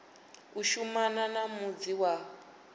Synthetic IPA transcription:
uʃumananamud͡ziwa

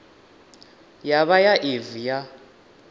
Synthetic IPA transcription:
jaβajaʔevija

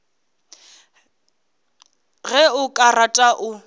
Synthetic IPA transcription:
ɣɛʊkʼaratʼaʔʊ

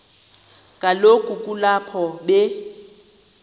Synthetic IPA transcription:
kʼalokʼukʼulapʰɔɓe

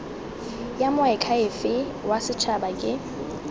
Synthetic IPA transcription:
jamʊɛkʰaɪfɪ | wasɪt͡ʃʰabakʼɪ

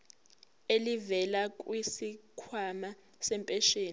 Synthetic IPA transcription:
elivɛlakʼwisikʰwama | sɛmpʼɛʃeːn

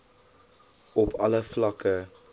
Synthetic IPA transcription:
ɔpʰɐləflɐkə

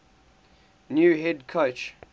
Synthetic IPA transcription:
njuːɦɛdkʰot͡ʃ

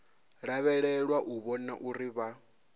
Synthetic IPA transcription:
ɺaβɛɺɛɺwaʔuβɔnaʔuɾiβa

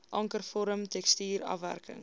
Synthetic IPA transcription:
ʔɐŋkərfɔɾəmtɛkstiːɾɐ̰fvæ̰rkə̰ŋ

